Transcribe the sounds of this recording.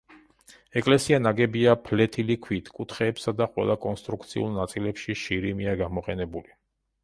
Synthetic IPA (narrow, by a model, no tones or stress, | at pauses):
ɛkʼlɛsianaɡɛbiapʰlɛt̪ʰilikʰwit̪ʰkʼut̪ʰχɛːpsad̪aqʼwɛ̰lˠakʼɔnst̪ʼɾukʰt̪sʰḭṵlˠnat̪sʼilɛpʃiʃiɾimiaɡamɔqʼɛnɛbuli